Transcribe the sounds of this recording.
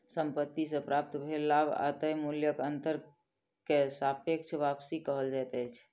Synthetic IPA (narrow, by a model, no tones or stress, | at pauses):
səmpət̪ːisẽpɾap̚t̪bʱelːabʱa̰t̪əjmuljəkənt̪əɾ | kesapʰek̚t͡ʃʰʋapsikəɦəld͡ʒat̪ɛjt͡ʃʰ